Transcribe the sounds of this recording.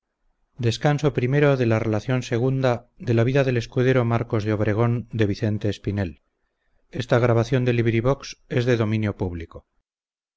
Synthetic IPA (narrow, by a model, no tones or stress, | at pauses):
d̪e̞skanso̞pɾime̞ɾo̞ðe̞lare̞laθjo̞nse̞ɣ̞und̪aðe̞laβiðaðe̞le̞skuðe̞ɾo̞maɾko̞zðeo̞β̞ɾe̞ɣ̞o̞nd̪e̞β̞iθe̞nt̪e̞ːspine̞l | e̞st̪aɣ̞ɾaβaθjo̞nd̪e̞liβɾiβ̞o̞kse̞zðe̞ðo̞mĩnjo̞puβliko̞